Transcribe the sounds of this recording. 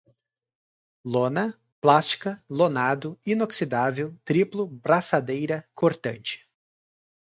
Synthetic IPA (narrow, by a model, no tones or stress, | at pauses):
lõnɐ | plast͡ʃi̥kɐlonad̪ʊinoksid̪avewt̪ɾiplʊbɾasad̪ejɾɐkʰoɾt̪ɐ̃t͡ʃɪ̥